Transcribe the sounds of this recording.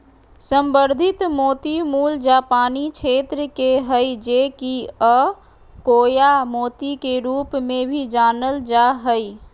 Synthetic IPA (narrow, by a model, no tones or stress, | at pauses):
səmbəɾd̪ʱit̪moːt̪imuːld͡ʒapaːnit͡ʃʰet̪ɾəkeɦəjd͡ʒekiə | koːjamoːt̪ikeɾuːpmẽbʱid͡ʒaːnəld͡ʒaɦəj